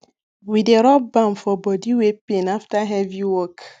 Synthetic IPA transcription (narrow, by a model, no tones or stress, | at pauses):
wideɾɔb̚bãmfɔbɔdiwepenaftaɦɛviwɔk